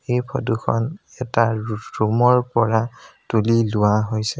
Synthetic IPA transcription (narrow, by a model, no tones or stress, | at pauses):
ejpʰɔdukʰɔ̰n | ɛtaɹumɔɹpɔɹatulilʊwaɦojsɛ